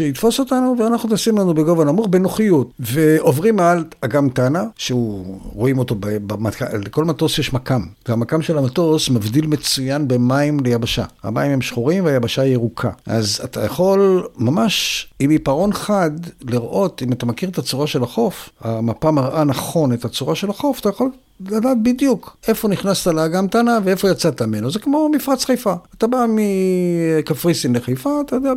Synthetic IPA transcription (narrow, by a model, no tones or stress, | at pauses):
ʃeitfo̞so̞tanuveanaχnut̪asimlanubeɡo̞vanamuχbenoχijutveʔo̞vʁimalaɡamtanaʃeuʁoimo̞to̞bebamatka̰leko̞lmato̞sjeʃmakamveamakamʃe̞lamato̞smavdilme̞t͡sujanbe̞maimlejabaʃa̰ha̰maimhemʃχuʁimveajabaʃaieʁukʰa̰ʔaza̰t̪ajaχo̞lmamaʃimipaʁo̞nχadliʁʔo̞timat̪amakiʁet̪at͡suʁaʃe̞laχo̞fhamapamaʁʔanaχo̞ne̞tat͡suʁaʃe̞laχo̞fḁt̪ajaχo̞l | ladaːt̚bid̪juke̞fo̞niχnast̪alaːɡamt̪anavee̞fo̞jat͡sat̪amenozekmo̞mifʁat͡sχejfaːt̪abami | kafʁisimleχajfaːt̪ajod̪ea